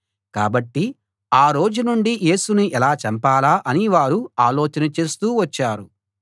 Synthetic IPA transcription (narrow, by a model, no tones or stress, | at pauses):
ka̰ːbɐʈːi | aːɾo̞ːd͡ʒunuɳɖije̞ːsunuʔɛlaːt͡ʃɐmpaːlaːʔɐniʋaːɾuaːloːt͡ʃɐnɐt͡ʃe̞ːst̪uːʋɐt͡ʃːaːɾu